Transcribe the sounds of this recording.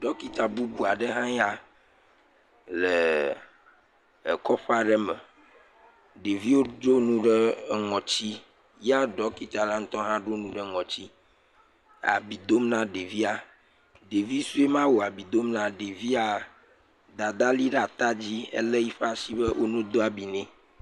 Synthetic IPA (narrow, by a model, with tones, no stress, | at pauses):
ɖɔ˦ki˨t̪a˨bu˦bu˨a˨ɖɛ˦ɦã˦ja˦ | le˨ | kɔ˦ɸa˦ɖɛ˦mɛ˨ | ɖe˨vi˦wo˦ɖo˦nũ˦ɖe˦ŋɔ̃˨t͡ɕi˦ | ja˦ɖɔ˦ki˨t̪a˨la˦ŋ̩̃˦t̪ɔ˦ɦã˦ɖo˦nũ˦ɖɛ˦ŋɔ̃˨t͡ɕi˦ | a̰˨bi˨d̪o˦mnã˦ɖe˨vi˦a˨ | ɖe˨vi˦su˦e˦mã˦wo˨a˨bi˨d̪o˦mnã˦ɖe˨vi˦a˨ | d̪a˨d̪a˦li˦ɖa˨t̪a˦d͡ʑi˦ḛ˦le˦ji˦ɸa˦si˦bɛ˦wʔo˦nũ˦d̪o˦a˨bi˨nɛ̃˦